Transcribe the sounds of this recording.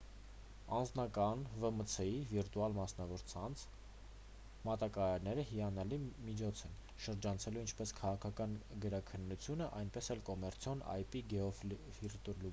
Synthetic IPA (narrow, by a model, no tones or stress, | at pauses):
ɑnd͡znɑkɑnvəmət͡sʰɛiviɾt̪uɑlmɑsnɑvɔɾt͡sʰɑnt͡sʰ | mɑt̪ɑkɑɾɑɾnɛɾəhijɑnɑlimit͡ʃʰɔt͡sʰɛn | ʃəɾd͡ʒɑnt͡sʰɛluint͡ʃʰpɛskʰɑʁɑkʰɑkɑnɡəɾɑkʰənːut͡sʰjunəʔɑjnpɛsɛlkɔmɛɾt͡sʰjɔnɑ̰jpiɡɛɔfiɾt̪ulu